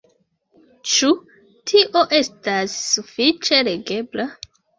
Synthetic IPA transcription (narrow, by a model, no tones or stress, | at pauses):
t͡ʃu | tʰiʔo̞ʔe̞stasːufit͡ʃe̞le̞ɡe̞bla